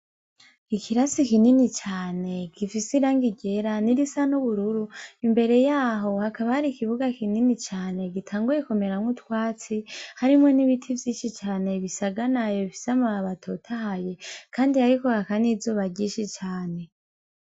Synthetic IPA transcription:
ikʰiɾasikininit͡ʃaːne̞ɡifisiɾaːŋɡiɟe̞ɾaniɾisanuβuɾuɾuimbe̞ɾe̞jaːɦo̞hakaβahaɾikiβuɡakininit͡ʃaːne̞ɡitʰaːŋɡuje̞kume̞ɾamŋutwaːt͡sihaɾimŋo̞niβitʰivjiːʃit͡ʃaːne̞βisaɡanajoβifi̥samaaβatʰotʰahaje̞kʰaːndiaɾiko̞hakanizoβaɟiːʃit͡ʃaːne̞

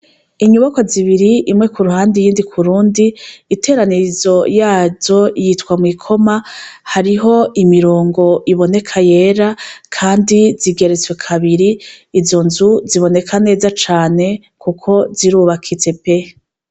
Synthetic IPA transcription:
iɲuβako̞ziβiɾiimŋe̞kuɾuhaːndijiːndikʰuɾuːndiːtʰe̞ːɾanizo̞jaːzo̞jitkwamŋikʰo̞mahaɾiɦo̞ʔimiɾoːŋɡo̞ʔiβo̞ne̞kʰaje̞ɾakʰaːndiziɡe̞ɾet͡swe̞kʰaβiɾiːzo̞nzuziβo̞ne̞kʰane̞ːzat͡ʃaːne̞ | kʰukʰo̞ziɾuːβakʰit͡se̞pe̞

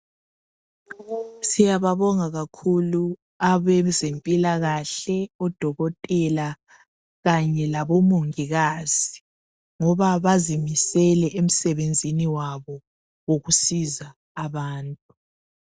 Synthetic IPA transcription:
sijaβaβɔŋaɣakʰulu | aβɛzempʼilaɣaɬɛɔd̥ʱɔɣɔtʼɛla | ɣaɲɛlaβɔmoŋiɣaːz̥i | ŋɔβaβazimisɛlɛʔem̩sɛβend͡zʱiniwaβɔ | woɣusizaː | βaːntʼu

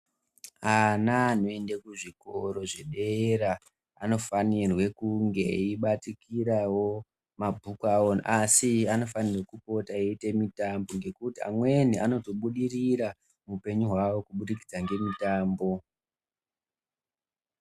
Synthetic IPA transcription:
anaːno̞e̞ndekuʐiko̞ɾo̞ʐe̞ɗe̞eɾa | ano̞fanirwe̞kuŋɡe̞̰iɓatikiɾawo̞ | mabʱukwawonʔasiano̞fanirwekupo̞taeite̞mitambo̞ŋɡe̞kutia̰mwe̞niano̞to̞ɓuɗiriɾa | mupe̞ɲuɦwawo̞kuɓuɗikid͡zaŋɡe̞mitaːmbo̞

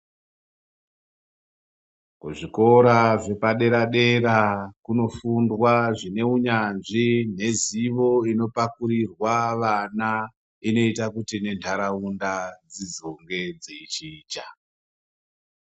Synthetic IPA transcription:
kuʐiko̞ɾaʐe̞paɗe̞ɾaɗe̞ɾakuno̞fundwaʐine̞uɲanʐin̤e̞ziʋo̞ino̞pakuɾirwaʋana | ino̞itakutine̞ntʰaɾaundad͡zid͡zoŋɡe̞d͡zit͡ʃiːt͡ʃa

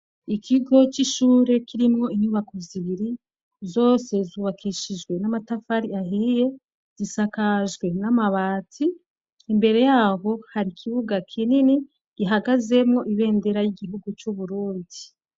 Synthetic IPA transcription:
ikʰiɡo̞t͡ʃiʃuːɾe̞kiɾimŋo̞iɲuβakoziβiɾi | zo̞ːse̞zuβakʰiʃid͡ʒɡwe̞namatafaɾiaɦije̞ | z̥isakaʒɡwe̞namaβaːtʰiː | mbe̞ɾe̞jaːɦo̞haɾikʰiβuɡakʰinini | ɡ̥iɦaɡaze̞mŋo̞ʔiβe̞ːnde̞ɾajiɡiɦuɡut͡ʃuβuɾuːndi

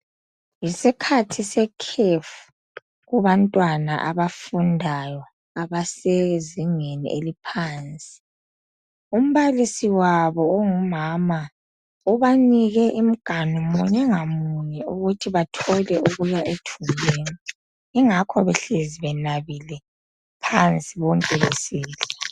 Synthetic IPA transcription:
jisikʰatʰisɛkʰefu̥ | ɣuβantʼwana̰ʔa̰βafundʱajɔ | aβaseziŋenḭʔelipʰaːnt͡sʼi̥ | um̩βalisiwaβɔːŋumama | uβaniɣɛʔim̩ɡ̥ʱanumuɲɛŋamuɲɛuɣutʰiβatʰɔlɛʔuɣujaʔetʰumleːni | iŋakʰɔβɛɬeziβɛnaβilɛ | pʰant͡sʼiβɔŋkʼɛβesiːɬa

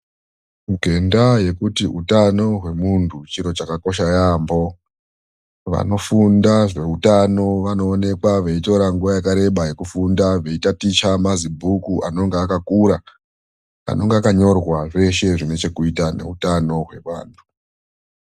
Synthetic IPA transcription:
muɡʱe̞ndaje̞kutiutano̞ɦwe̞muntʰut͡ʃiɾo̞t͡ʃakako̞ʃajambo̞ | ʋa̰no̞fundaʐe̞utano̞ʋano̞ːne̞kwaʋeito̞ɾaŋɡuʋajakaɾe̞ɓaje̞kufundaʋe̞itatit͡ʃamazibʱukuʔano̞ŋɡeakakuɾa | a̰no̞ŋɡeakaɲo̞rwaʐe̞ʃe̞ʐine̞t͡ʃe̞kuitane̞̰utano̞ɦwe̞ʋa̰ːntʰu̥

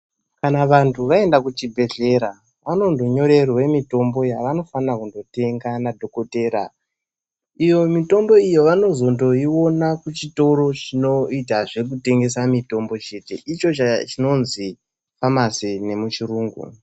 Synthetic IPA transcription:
kanaʋantʰuʋae̞ndakut͡ʃibʱe̞ɮe̞ɾa | ʋano̞ndo̞ɲo̞ɾe̞rwe̞mito̞mbo̞jaʋano̞fanakundo̞te̞ŋɡanadʱo̞ko̞te̞ːɾa̰ | ijo̞mito̞mbo̞ijo̞ʋano̞zo̞ndo̞iwo̞nakut͡ʃito̞ɾo̞t͡ʃino̞itaʐe̞k̬ute̞ŋɡe̞samito̞mbo̞t͡ʃe̞te̞̰ʔit͡ʃo̞t͡ʃat͡ʃino̞nzi | famasine̞mut͡ʃiɾuːŋɡṵ

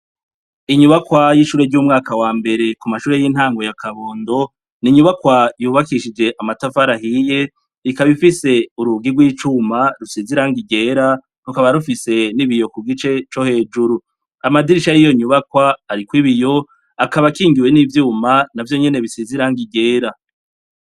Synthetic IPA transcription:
iɲuβakwajiʃuːɾeɾɟuːmŋaːkawaːmbe̞ɾe̞kumaʃuːɾe̞jin̥haːŋɡwo̞jakʰaβo̞ːndo̞ | niɲuβakwajuːβakiʃid͡ʒe̞ʔamatafaɾaɦiːje̞ | ikaβifise̞uɾuɡiɡwiːt͡ʃumaɾusiziɾaŋɡiɡe̞ːɾa | ɾukaβaɾufise̞niβijo̞kuɡit͡ʃe̞t͡ʃo̞he̞ːd͡ʒuɾu | amadiɾiʃajijo̞ɲuβakwaːɾikwiβijo̞ | akaβakiːŋɡiwe̞nivjuːmanavjo̞ɲe̞ne̞βisiziɾaŋɡiɡe̞ːɾa

